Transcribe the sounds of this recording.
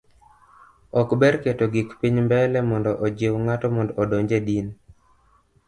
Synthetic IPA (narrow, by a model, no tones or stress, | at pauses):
ɔkbɛɾketoɡikpiɲmbɛlɛmɔndɔʔɔd͡ʒewŋatɔmɔndɔːdɔɲd͡ʒedin